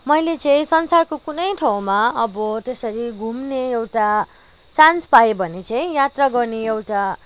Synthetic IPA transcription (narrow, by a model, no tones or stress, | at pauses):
mʌjlet͡sʌ̃ĩsʌnsarkokunʌjʈʰaw̃maʌbʌt̪esʌɾiɡʱumneewʈa | t͡sanspajebʱʌnet͡sʌ̃ĩjat̪raɡʌrneewʈa